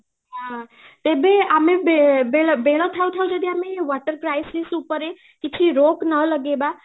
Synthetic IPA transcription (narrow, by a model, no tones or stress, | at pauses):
ɦã | t̪ebeamebebelbelət̪ʰaũt̪ʰaũd͡ʒəd̪iameʋaʈəɾkɾajsisupəɾe | kit͡ʃʰiɾoknələɡeba